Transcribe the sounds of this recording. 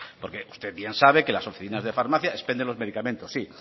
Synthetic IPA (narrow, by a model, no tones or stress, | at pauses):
po̞ɾke̞ust̪eβje̞nsaβ̞eke̞laso̞fiθinazðe̞faɾmaθjaespend̪elo̞zme̞ðikamẽnt̪osːi